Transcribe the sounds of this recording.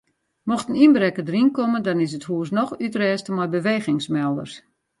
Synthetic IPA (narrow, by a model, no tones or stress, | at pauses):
mɔxtəninbrɛkədəɾinkoməndɔnɪs̬əthuəs̬nɔxytrɛːstəmɔjbəʋeːɣɪŋsmɛlˠdə̰rs